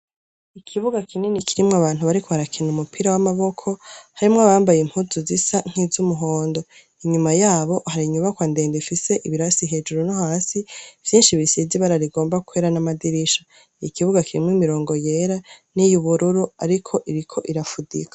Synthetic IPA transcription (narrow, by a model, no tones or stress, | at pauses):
ikʰiβuɡakʰinenikʰiɾimŋoaβaːn̥uβaɾikʰoβaɾakʰinumupiɾawamaβo̞kʰo̞haɾimŋaβaːmbajem̥huzuzisaŋ̥hizumuɦo̞ːndo̞ | iɲumajaːβo̞ʔhaɾiɲuβakwande̞ːndefise̞ʔiβiɾasiɦe̞d͡ʒuɾunohaːsivjiːnʃiβisiziβaɾaɾiɡo̞ːmbakweɾanamadiɾiʃḁ | jikʰiβuɡakʰiɾḭmoimiɾo̞ːŋɡo̞je̞ɾanijuβuɾuɾuaɾikʰo̞ʔiɾikʰo̞ʔiɾafudḭkḁ